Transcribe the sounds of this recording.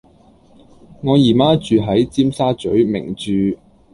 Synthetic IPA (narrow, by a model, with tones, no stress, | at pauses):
ŋɔː˨˧jiː˨˩maː˥t͡ʃyː˨ɦɐ˨˥jt͡siː˥msaː˥t͡ʃɵ˨˥ɥmɪ̰˨˩ŋt͡ʃyː˨˧